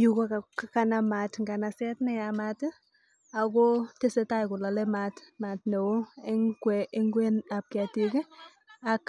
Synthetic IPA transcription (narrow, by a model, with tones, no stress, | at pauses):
ju˨ko˦ka˨ka˦ka˦na˦ma˨tŋɡa˨na˨sɛ˦tnɛ˦a˨ma˨t | a˨ɡo˦te˦se˦ta˦jkʊ˨la˨lɛ˦ma˨tma˨tne˨wo˦ɛ˦ŋkwɛe˦ŋɡwe˦na˨p̚kɪ˨a˨ti˨k | a˦k